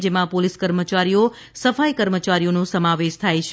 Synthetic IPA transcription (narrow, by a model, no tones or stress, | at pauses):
d͡ʒemãpoliskəɾmət͡ʃaɾijo | səfaikəɾmət͡ʃaɾijonũsəmaʋeʃt̪ʰajt͡ʃʰ